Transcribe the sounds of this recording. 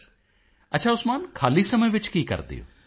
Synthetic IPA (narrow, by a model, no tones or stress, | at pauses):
ɐtːʃʰaːʊsmaːnkʰaːliːsəməjʋɪt͡ʃkiːkə̰ɾd̪ḛo̰